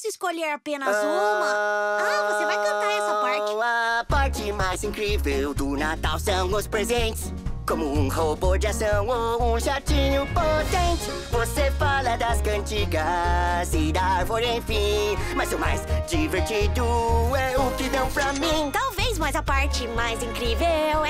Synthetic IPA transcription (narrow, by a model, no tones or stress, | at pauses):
sɪskoʎeɾapẽnɐzũmɐ̃ | vosevajkɐ̃aɾɛsɐpaɾ̃ɐpaɾt͡ʃɪmajzĩkɾivewd̪ʊnat̪awsɐ̃w̃ʊspɾezẽnt͡ʃɪs | kõmʊũhobod͡ʒɪasɐ̃w̃oũʒat͡ʃĩɲʊpot̪ẽnt͡ʃɪ | vosefalɐd̪ɐskɐ̃nt͡ʃiɡɐsid̪aɾvoɾẽj̃fĩmɐzʊmajzd͡ʒiveɾt͡ʃid̪ʊɛʊkɪd̪ɐ̃w̃pɾɐmĩt̪awvejzmajzɐpaɾt͡ʃɪmajzĩŋkɾivew